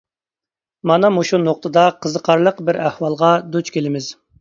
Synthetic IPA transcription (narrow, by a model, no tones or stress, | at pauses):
mɑnɑmoʃunoq̚t̪ʰəd̪ɑqʰəzəqʰɑɾlˠəqbɪɾæhwɑlˠʁɑd̪ut͡ʃkʲelɪmɪz̥